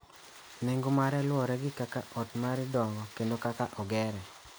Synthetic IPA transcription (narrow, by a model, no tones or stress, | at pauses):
nɛŋɡomaɾɛlwɔɾɛɡɪkakaʔɔtmaɾɪdɔŋɔkendokakaʔɔɡɛɾɛ